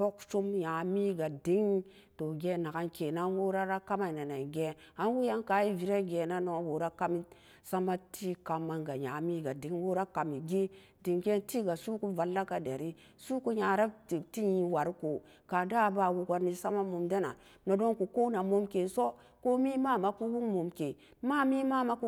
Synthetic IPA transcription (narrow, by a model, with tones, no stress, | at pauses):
bo˦kt͡ʃu˦mja˨mi˦ɡa˨di˦ŋ | to˨ɡe˦na˨ka˦nke˨na˦nwo˦ɾa˦ɾa˦ka˦ma˨na˨na˨i˨ɡe˦ | a˦n˦wu˦ja˦ŋka˨˦ji˦vi˨ɾa˦ɡe˨na˦no˨˦wo˨ɾa˦ka˦mi˦ | sa˦ma˦tʰi˦ka˨ma˦ŋɡa˨ja˨mi˦ɡa˨di˨˦ŋwo˦ɾa˦ka˨mi˨ɡi˦ | di˨ŋɡe˦nti˦ɡa˨su˦ku˦va˨lːa˦ka˨de˨ɾi˦ | su˦ku˦ɲa˨ɾa˦ti˨ti˦ɲi˨wa˨ɾi˦ko˨ | ka˨da˦˨ba˨wu˨ka˦ɾni˦sa˦ma˦mo˨mda˦na̰˨ | no˨do˦ŋku˨ko˦na˨mo˦mke˨so˦ | ko˦mi˦ma˦ma˨ku˦wu˦ŋmo˨mke˨ | ma˦mi˦ma˦ma˦ku˦